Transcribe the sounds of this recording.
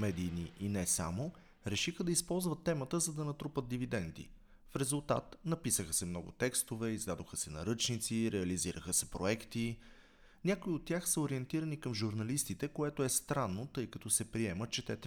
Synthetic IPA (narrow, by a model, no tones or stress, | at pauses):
mɛd̪iniʔinɛsa̰mo | ɾɛʃixəd̪ɐispɔlˠzvət̪ːɛmət̪əzɐd̪ɐnɐt̪ɾupət̪̚d̪ivid̪ɛnd̪ḭ | fɾɛzulˠt̪a̰t̪nɐpisəxəsɛmnɔɡʊ̰t̪ɛkst̪ovɛizd̪ad̪oxəsɛnɐ̰ɾɤt͡ʃnit̪siɾɛɐliziɾəxəsɛpɾoɛkt̪i | nʲakoiot̪ːʲjaxsəoɾiɛnt̪iɾənikəmʒuɾnɐlist̪it̪ɛkoɛt̪oɛst̪ɾanːot̪ɤjkɐt̪ɔsɛpɾiɛmət̪t͡ʃɛt̪ɛt̪